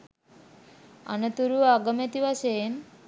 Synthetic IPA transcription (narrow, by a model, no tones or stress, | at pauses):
a̰nət̪uɾuaɡəmet̪iʋaʃejen